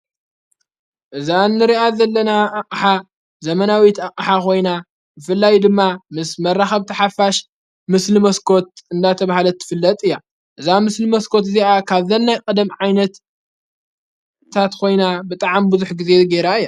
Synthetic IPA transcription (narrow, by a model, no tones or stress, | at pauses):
ʔɨzanːɨɾiʔazɐlːɐnaːkʼħa | zɐmɐnawit̪aqʼɨħakʰo̞jna | bɨfɨlːajd̪ɨmːamɨsmɐrːaxɐβt̪ʰɐħafaʃ | mɨslɨmɐskʰo̞t̪̚ɨnd̪at̪ʰɐβahalɐt̪ʰːɨ̥fɨlːɐt̪ʼɨjːa | ʔɨzamɨslɨmɐskʰo̞t̪ziʔakʰaβzɐlnajkʼɐd̪ɐmʕajnɐt̪ | at̪kʰo̞jnabɨt̪ʼaʕambɨzuħɡize̞ɡeɾaɨjːa